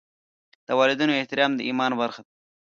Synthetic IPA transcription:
d̪̥əwɑlɪd̪unoɪht̪ɪɾɑmd̪əimɑnbaɾxad̪

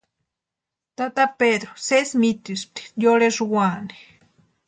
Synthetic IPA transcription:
t̪at̪aped̪ɾosesmit̪isp̚t̪i̥joɾeʐuwani̥

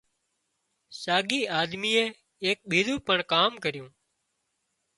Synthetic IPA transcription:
saːɡiːaːd̪miːeː | eːk̚ɓiːɾuːpəɳkaːmkəɾɪjũː

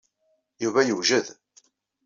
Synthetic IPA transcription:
juvæjəʒəð

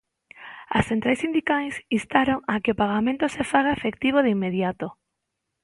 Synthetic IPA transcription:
a̰sθent̪ɾajsind̪ikajsist̪aɾoŋakeopaɣ̞amẽnt̪osefaɣaefek̚t̪iβ̞oðeimːeðjat̪o

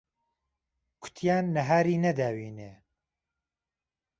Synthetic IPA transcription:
kʰʊ̥t̪ʰjaːnːɐɦaːɾiːnɐd̪aːwiːneː

